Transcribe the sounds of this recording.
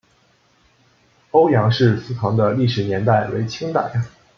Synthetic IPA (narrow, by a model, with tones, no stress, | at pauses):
o˥ʊjɑ˧˥ŋʂɻ̩˥˧sɹ̩˥t̪ʰɑ˧˥ŋd̪ə˧li˥˩ʂɻ̩˨˩njɛ˧˥nt̪a˥˩ɪwe˧˥ɪt͡ɕʰi˥ŋt̪a̰˥˩ɪ